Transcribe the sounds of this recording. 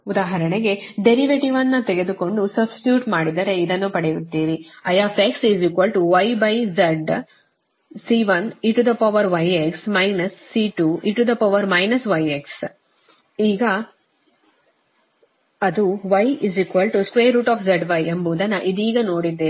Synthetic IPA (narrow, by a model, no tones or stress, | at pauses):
ud̪aːɦɐɾɐɳeɡe̞ɖeɾiʋeʈiʋɐnːɐt̪eɡe̞d̪uko̞ɳɖusɐbsi̥ʈjuːʈmaːɽid̪ɐɾeid̪ɐnːupɐɽejut̪ːiːɾiɐjaːpeksiziːkʋɐlʈuʋɐjbɐjzɐɖ | siːʋɐniʈud̪ɐpɐʋɐɾʋɐjeksmɐjnɐsːiːʈuiʈud̪ɐpɐʋɐɾmɐjnɐsʋɐjeks | iːɡɐ | ɐd̪uʋɐjiziːkʋɐlʈuskʋeːɾːuːʈaːfzɐɖʋɐjembuːd̪ɐnɐʔid̪iːɡɐno̞ːɽid̪ːeː